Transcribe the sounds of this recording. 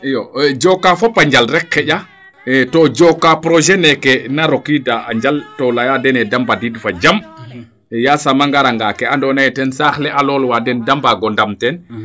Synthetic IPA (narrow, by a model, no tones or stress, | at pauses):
jɔd͡ʒɔkafɔpːaɲd͡ʒalɾɛkːɛɟa | tɔd͡ʒɔkːapɾɔʒɛnɛkɛnaɾokidaa̰ɲd͡ʒaltɔlajadɛnɛdambadidfad͡ʒam | jasamaŋɡaɾaŋɡakɛandɔnajɛtɛnsaxlɛʔalɔlwadɛndambaɡɔndamtɛn